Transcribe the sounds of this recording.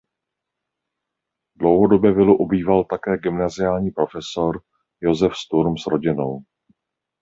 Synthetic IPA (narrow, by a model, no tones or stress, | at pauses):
dlowɦodo̞bjɛvɪluʔubiːvalt̪akɛːɡɪmnazɪjaːlɲiːpɾo̞fɛso̞ɾ | jo̞zɛfst̪uɾmsɾo̞ɟɪno̞w